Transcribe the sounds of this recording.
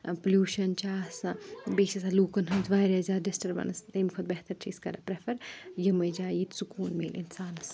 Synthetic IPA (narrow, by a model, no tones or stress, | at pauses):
pɐljuːʃɐnt͡ʃaːsɐbeːsɐsaluːkɐnɦɐnzʋaːjɾɐzaːdesʈɐɾbɐ̰nɐst̪eːmikʰot̪̚bɛɦt̪ɐɾt͡ʃʰiːskɐ̰ɾɐpɾefʰɐɾjɐmɐjd͡ʒaːjiːt̪sukuːnmeːlʔinsaːnɐs